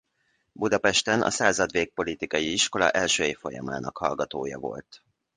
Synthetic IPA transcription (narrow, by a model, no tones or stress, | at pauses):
bud̪ɒpɛʃt̪ɛnʔɒ̰saːzɒd̪veːk̚po̞lit̪ikɒjiiʃko̞lɒ̰ʔɛlʃøːjeːfo̞jɒma̰ːnɒkhɒlɡɒt̪oːjɒ̰vo̞̰lt̪